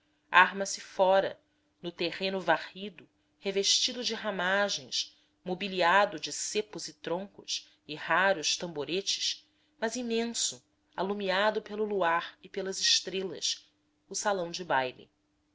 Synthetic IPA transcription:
aɾmɐsɪfɔɾɐ̰ | nʊt̪eʁẽnʊvahid̪ʊ | heveʃt͡ʃid̪ʊd͡ʒɪɦamaʒẽj̃s | mobiliad̪ʊd͡ʒɪsepʊzɪt̪ɾõŋkʊs | ɪhaɾʊʃt̪ɐ̃mboɾet͡ʃɪ̥ʃ | mɐzimẽsʊ | alumiad̪ʊpelʊluaɾɪpelɐzɪʃt̪ɾelɐ̰s | ʊsalɐ̃w̃d͡ʒɪbajlɪ̰

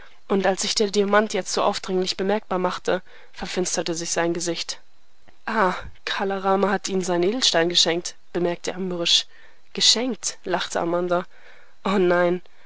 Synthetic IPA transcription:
ʔʊntalsz̥ɪçd̥eːɐdiamantʰjɛt͡stz̥oːʔaʊfd̥ʁɪŋlɪçb̥əmɛɐk̚b̥aːɐmaχtə | fɛɐfɪnstɐtəzɪçz̥aɪnɡəzɪçt | ʔaː | kʰaːlaʁaːmahatʔiːnənzaɪnʔeːdl̩ʃtaɪnɡəʃɛŋkt | b̥əmɛɐk̚tʰəʔaməʁɪʃ | ɡ̥əʃɛŋk̚tlaχtʰəʔa̰manda | ʔoːnaɪn

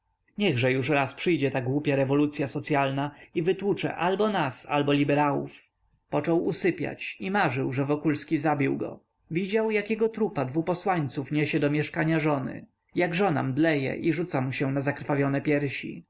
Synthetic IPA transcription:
ɲɛɣʐɛjuʂɾaspʂɘjd͡ʑɛt̪aɡwupʲjaɾɛvɔlut̪sʲjasɔt̪sʲjalnaivɘt̪wut͡ʂɛ̰ʔalbɔnasa̰lbɔlʲibɛɾawṵf | pɔt͡ʂɔwusɘpʲja̰t͡ɕimaʐɘwʐɛvɔkulskʲizabʲiwɡɔ̰ | vʲid͡ʑawjakʲɛɡɔt̪ɾupad̪vupɔswaɲt̪sufɲɛɕɛd̪ɔmʲjɛʂkaɲaʐɔnɘ̰ | jaɡʐɔna̰md̪lɛjɛ̰ʔiʐut̪samuɕɛnazakɾfavʲjɔnɛpʲjɛɾɕḭ

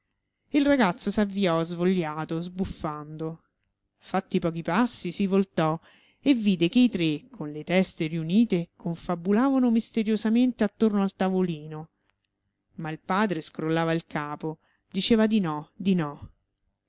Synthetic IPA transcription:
ilraɡat̪sːosavːiɔzvoʎːaːt̪ozbufːand̪o | fat̪ːipɔːk̟ipasːisivolt̪ɔ | evːiːd̪ekeit̪ɾekʰːonlet̪ɛst̪eriuniːt̪ekʰoɱfabulaːvanomist̪eɾjozament̪eat̪ːornoalt̪avoliːno | mailpaːd̪ɾeskɾolːaːvailkaːpo | d̪it͡ʃeːvad̪inɔd̪inɔ

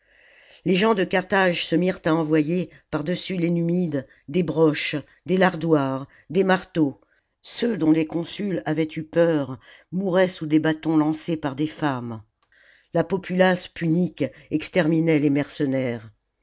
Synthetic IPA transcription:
leʒɑ̃d̪əkaʁt̪aʒsəmiʁt̪aɑ̃vwaje | paʁd̪əsylenymid̪ | d̪ebʁɔʃ | d̪elaʁd̪waʁ | d̪emaʁt̪o | sød̪ɔ̃lekɔ̃sylavɛt̪ypœʁ | muʁɛsud̪ebat̪ɔ̃lɑ̃sepaʁd̪efam | lapɔpʰylaspʰynikɛkst̪ɛʁminɛlemɛʁsənɛʁ

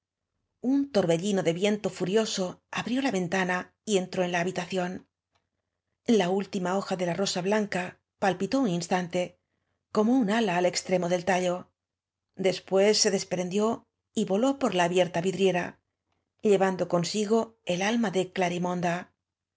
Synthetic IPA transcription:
unt̪o̞ɾβe̞ʎino̞ðe̞βje̞nt̪o̞fuɾjo̞so̞aβɾjo̞laβe̞nt̪ana | ie̞nt̪ɾo̞e̞nlaːβ̞it̪aθjo̞n | lault̪imao̞xaðe̞laro̞saβlaŋka | palpit̪o̞uninst̪ant̪e̞ | ko̞mounalaːle̞kst̪ɾe̞mo̞ðe̞lt̪aʎo̞ | d̪e̞spwe̞sːe̞ðe̞spɾe̞nd̪jo̞ | iβo̞lo̞po̞ɾlaːβje̞ɾt̪aβiðɾje̞ɾa | ʎe̞βand̪o̞ko̞nsiɣo̞e̞lalmaðe̞klaɾimõ̞nd̪a

